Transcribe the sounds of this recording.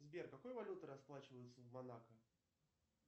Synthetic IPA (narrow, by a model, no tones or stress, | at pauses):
zʲbʲerkakɔjvalʲut̪ɨɾasplˠat͡ɕɪvəjɪt̪səvmanakə